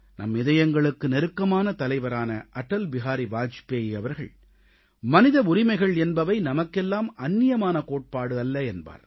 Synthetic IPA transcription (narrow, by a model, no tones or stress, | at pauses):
nɐ̰mɪðɐjɐŋɡɐɭɯkːɯnɛɾɯkːɐmaːnɐt̪ɐlɐɪʋɐɾaːnɐʔɐʈːɐlbɪɣaːɾiʋaːt͡ʃɪ̥peːjɪɐʋɐɾɣɐ̰ɭ | mɐnɪðɐʊɾɪmɐɪɣɐɭɛnbɐʋɐɪnɐmɐkːɛlːaːmɐnːɪjɐmaːnɐkoːʈ̚paːɽɯɐlːɐɛnba̰ːɾ